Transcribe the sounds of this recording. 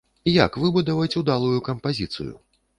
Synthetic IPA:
jakvɨbud̪ɐvɐt͡sʲud̪alˠujukɐmpazʲit̪sɨ̰jṵ

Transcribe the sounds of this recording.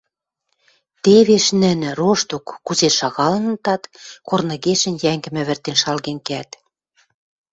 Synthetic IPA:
t̪eβeʃnɘ̆nɘ̆roʃt̪okːuzeʃɑɣɑlɤ̆nə̆t̪ɑt̪kornɤ̆ɣeʃə̆njæŋɡɘ̆mɘ̆βɘ̆rt̪enʃɑlɣenkeæt̪

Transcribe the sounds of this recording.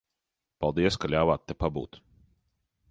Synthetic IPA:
palˠd̪iəskalʲaːvat̪ːɛpabṵːt̪

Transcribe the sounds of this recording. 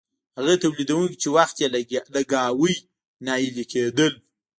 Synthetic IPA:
haɣət̪awlid̪awuŋkit͡ʃewaxt̪jelad̪əɡɑwəj | nɑjilikʰed̪əl

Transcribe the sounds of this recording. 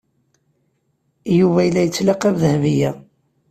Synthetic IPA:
juvæjəlːæjət͡sːlɑqævðəhvijæ

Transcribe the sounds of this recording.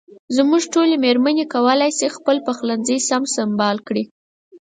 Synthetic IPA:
zmuʒʈolemeɾmanekawəlajsixpəlpaxlanzəjsamsambɑlkɽi

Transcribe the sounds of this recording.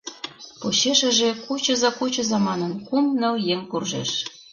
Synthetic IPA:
poɕeʃĕʒĕkut͡ɕɤ̆zɑkut͡ɕɤ̆zɑmɑnə̆nkumnɤ̆ljeŋkurʒḛʃ

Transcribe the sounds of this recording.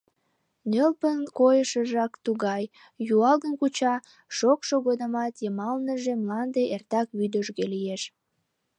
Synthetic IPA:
nølpənkojəʃəʒɑkt̪uɣɑj | juɑlɣənkut͡ɕɑ | ʃokʃoɣod̪əmɑt̪jəmɑlnəʒemlɑnd̪eʔert̪ɑkβyd̪əʒɣelieʃ

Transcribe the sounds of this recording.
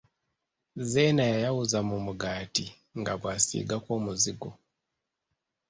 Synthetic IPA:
zenajajawuzamumuɡaːti | ŋɡaβwasḭɡakwoːmuziɡo

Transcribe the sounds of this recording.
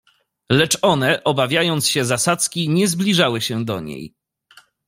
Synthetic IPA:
lɛt͡ʂɔnɛʔɔbavʲjajɔnt̪sɕɛzasat̪skʲiɲɛzblʲiʐawɘɕɛd̪ɔɲḛj

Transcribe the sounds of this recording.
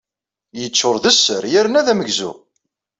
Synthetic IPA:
jət͡sːʊɾðəsːəɾjæɾnæðæməɡzṵ

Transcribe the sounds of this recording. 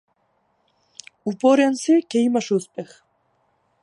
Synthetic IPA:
upoɾʲansekejmaʃuspex

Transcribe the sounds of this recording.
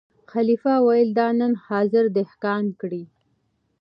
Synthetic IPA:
xalifawajəld̪ɑnənhɑzɪɾd̪ɪhkɑnkɽi

